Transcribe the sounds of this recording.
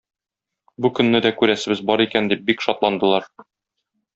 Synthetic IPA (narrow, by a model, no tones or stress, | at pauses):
bukɵ̆nːɘd̪ækʉɾæsɘ̆bɘzbɒɾikænd̪ip̚bikʃɒt̪lˠɑnd̪ɤ̆lˠɑɾ